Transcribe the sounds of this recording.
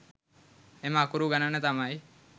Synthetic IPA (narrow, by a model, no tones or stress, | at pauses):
emaːkuɾuːɡənənet̪amai